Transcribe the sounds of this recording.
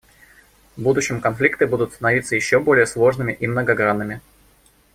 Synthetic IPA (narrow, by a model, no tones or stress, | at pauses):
vbud̪ʊɕːɪmkɐnflʲik̚t̪ɨbud̪ʊt̪st̪ənɐvʲit̪səjɪɕːobo̞lʲɪjəslˠo̞ʐnɨmʲɪʔimnəɡɐɡɾanːɨmʲɪ